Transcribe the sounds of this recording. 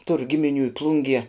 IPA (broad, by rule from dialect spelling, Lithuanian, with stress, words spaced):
tʊr ɡʲɪmʲɪˈnʲuː ɪ ˈplˠʊŋʲɡʲiɛ